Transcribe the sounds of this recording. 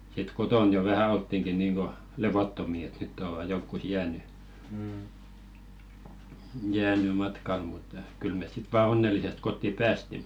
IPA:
sit koton jo ʋæhæ oltːiŋki niːŋɡ̊o leʋotːomi et nytː oʋɑ jonkːus jæːny jæːny mɑtkɑl mut kyl mes sit ʋɑː onːelˑisest kotːi pæːsti

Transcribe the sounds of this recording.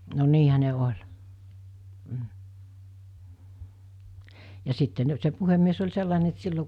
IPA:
no niːhæ ne olʲ m̩ jɑ sitːe n se puhemːies olʲ selːɑˑene et se silːo

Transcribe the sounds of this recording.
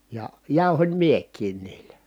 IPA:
jɑ jɑˑu̞hom miekˑiːn niːlæ

